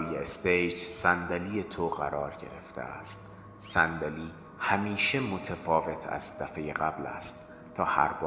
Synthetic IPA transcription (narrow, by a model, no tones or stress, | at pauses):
jeest̪ejd͡ʒsænd̪æliːjet̪ʰoɣæɾɒːɾɟe̞̰ɾe̞̰ft̪ʰḛæ̰st̪ | sænd̪æliː | hæmiːʃe̞mo̞t̪ʰefɒːve̞t̪ʰæ̰zd̪æfe̞jeɢæblæ̰st̪ | t̪ʰɒːhæ̰ɾbɒː